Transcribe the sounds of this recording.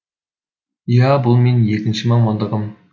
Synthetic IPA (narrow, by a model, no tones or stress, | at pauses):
jɑbʊlˠmenjekʲɪnʃɪmɑɴmɑnˠd̪əʁəm